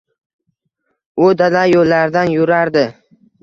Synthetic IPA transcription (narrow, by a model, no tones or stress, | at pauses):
ʊd̪alajolːaɾd̪anjʊɾaɾd̪ɪ